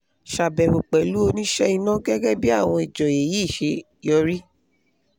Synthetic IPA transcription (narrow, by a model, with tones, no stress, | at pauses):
ʃa˨bɛ˨ho˨k͡pɛ˨lu˨˦o˧nĩ˦ʃɛ˦i˧nã˦ɡɛ˦ɡɛ˦bi˦a˦˨w̃ɔ̃˧i˨d͡ʒɔ˨e˨ji˨˦˨ʃe˧ | jɔ˧ɾi˦